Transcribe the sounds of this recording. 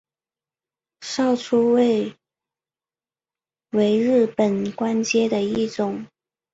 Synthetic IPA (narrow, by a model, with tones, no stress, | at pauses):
ʂɑ˥˩ʊʈ͡ʂʰu˥we˥˩ɪ | we˧˥ɪɻɻ̩˥˩pə˨˩nkwa˥nt͡ɕjɛ˥d̪ə˨i˥˩ʈ͡ʂʊ˨˩˦ŋ